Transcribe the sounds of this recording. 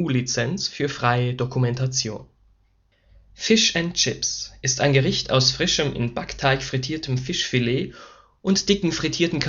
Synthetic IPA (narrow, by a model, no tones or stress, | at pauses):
uːlit͡sɛnt͡sfyːɐfʁ̥aɪədokʰumɛntat͡sjo̰ːn | fɪʃɛnt͡ʃɪpsʔɪstaɪnɡəʁɪçtʰa̰ʊsfʁ̥ɪʃəmʔɪ̰nbaktʰaɪçfʁ̥itʰiːɐtʰəmfɪʃfileː | ʔʊntd̥ɪkŋ̩fʁ̥itʰiːɐtn̩kʰ